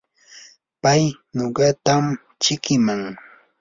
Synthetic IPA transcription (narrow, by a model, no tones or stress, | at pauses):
paj | noɢɑt̪am | t͡ʃɪkɪmaŋ